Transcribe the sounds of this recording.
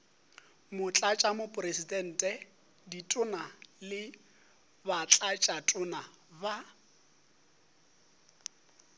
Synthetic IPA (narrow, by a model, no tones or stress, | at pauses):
mʊt͡ɬʼat͡ʃʼamʊpʼresidɛn̩ːtʼɛ | ditʼʊnalɪ | bat͡ɬʼat͡ʃʼatʼʊnaba